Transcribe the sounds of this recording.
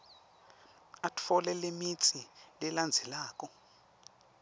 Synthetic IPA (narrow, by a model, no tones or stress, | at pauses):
atʰfɔlɛlemit͡sʰʼilɛland͡zʱɛlaːk̬ʼɔ